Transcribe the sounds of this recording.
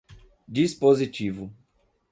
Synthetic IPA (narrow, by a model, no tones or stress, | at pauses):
d͡ʒispozit͡ʃivʊ